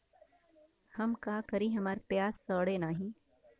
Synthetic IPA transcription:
hɐmkaːkɐɾiɦɐmaːɾepjaːzsəːɽenaːɦĩː

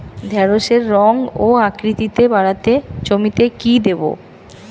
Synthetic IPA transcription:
d̪ʱɛɾoʃeɾːɔŋoakɾit̪it̪ebaɽat̪et͡ɕomit̪ekid̪ebo̰

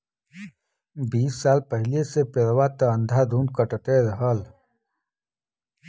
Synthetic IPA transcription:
biːsːaːlpəɦɪlesepeɾwat̪ɐə̃nd̪ʱad̪ʱũːn̚kəʈət̪eɾəɦəl

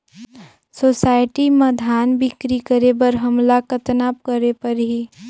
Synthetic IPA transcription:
soːsaːɪʈiməd̪ʱaːnbɪkɾikəɾebəɾɦəmlakət̪naːpkəɾepəɾɦi

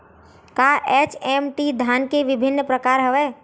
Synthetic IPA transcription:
kaʔɛt͡ʃɛmʈid̪ʱaːnkeʋɪbʱɪnːpɾəkaːɾɦəʋɛː

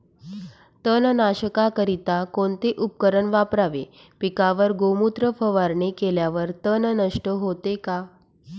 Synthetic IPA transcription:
t̪ənnaɕəkakəɾit̪akoɳt̪eʔup̚kəɾəɳʋapɾaʋe | pikaʋəɾɡomut̪ɾəfəʋaɾɳekeljaʋəɾt̪ənnəʂʈəɦot̪eka

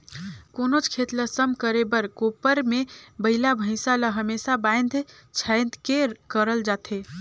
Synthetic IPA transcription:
konot͡ʃʰkʰet̪ləsəmkəɾebəɾkopəɾmebəɪlabʱə̃ɪ̃saləɦəmesabãɪnd̪ʱ | t͡ʃʰaɪnd̪kekəɾəld͡ʒat̪ʰe

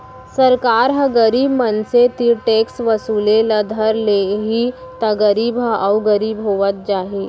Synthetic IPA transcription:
səɾkaɾɦə̃ɡəɾiːbmənset̪iɾʈeksʋəsuːlelad̪ʱəɾleɦit̪ɐɡəɾiːbɦaʔawɡəɾiːbɦoʋət̪̚d͡ʒaɦe

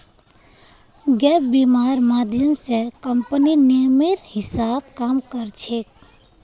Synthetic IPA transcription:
ɡɛpbimaɾmad̪ʱjəmsekəmpəninimiɾhisab̚kamkəɾt͡ʃʰek̚

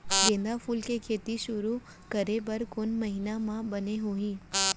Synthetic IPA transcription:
ɡẽːnd̪afuːlkekʰeːt̪iʃʊɾu | kəɾebəɾkʊnmɐɦinamãbɐneɦuĩː

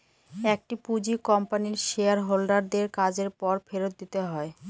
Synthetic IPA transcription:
ɛk̚ʈipud͡ʑikɔmpaniɾʃeaɾɦolɖaɾd̪eɾkad͡ʑeɾpɔɾfeɾot̪̚d̪it̪eɦɔe

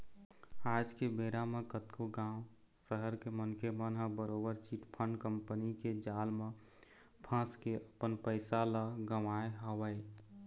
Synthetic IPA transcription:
ad͡ʒkebeɾamekət̪kʰoɡãʊ̃ | səɦəɾkemənkʰemənɦəbəɾobəɾt͡ʃiʈpʰəɳɖkəmpəniked͡ʒaːlmẽ | pʰə̃skeəpənpəɪsaləɡəʋaeɦɔʋəj

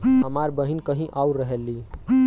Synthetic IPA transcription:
ɦəmaɾbəɦinkəɦĩʔauɾəɦeli

